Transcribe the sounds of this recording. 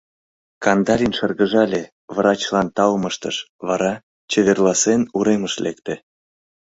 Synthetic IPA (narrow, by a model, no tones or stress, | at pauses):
kɑnd̪ɑlʲinʃərɣəʒɑlʲe | vrɑt͡ɕlɑnt̪ɑlməʃt̪ə̰ʃ | βɑɾɑ | t͡ɕeβerlɑsenuɾeməʃlekt̪e